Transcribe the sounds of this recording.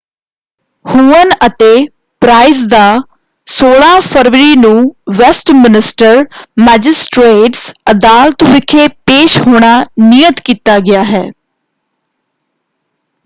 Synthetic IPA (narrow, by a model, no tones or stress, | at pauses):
huːənət̪eː | pɾaːɪzd̪aː | soːɭãːpʰəɾʋəɾiːnũːʋɛsʈmɪnɪsʈəɾmɛːd͡ʒɪsʈɾeːʈsəd̪aːlt̪ʋɪkʰeːpeːʃhoːɽ̃aːnijət̪kiːt̪aːɡɪjaːɦɛ̰ː